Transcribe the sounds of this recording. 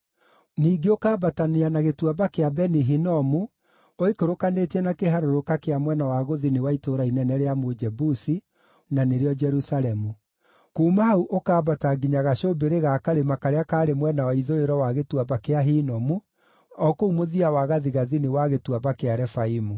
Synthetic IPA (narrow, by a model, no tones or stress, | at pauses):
niːɡeokaːbataneanaɣetwabakeabɛniɦinɔmu | oikoɾokanetɛnakeɦaɾoɾokakeamwɛnawaɣoðinewaitoːɾainɛnɛɾeamod͡ʒɛbusi | naneɾeɔd͡ʒɛɾusaɾɛmu | kuːmahauʔokaːbataɡiɲaɣaɕobeɾeɣakaɾemakaɾeakaːɾemwɛnawaiðoeɾɔwaɣetwabakeaɦinɔmu | ɔkoumoðiawaɣaðiɣaðinewaɣetwaβakeaɾɛfaimu